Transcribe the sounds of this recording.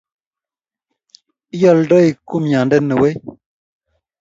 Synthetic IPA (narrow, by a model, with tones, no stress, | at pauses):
jɔ˦˨ldɔ˦i˨ku˦mɲa˨ndə˦nə˨we˦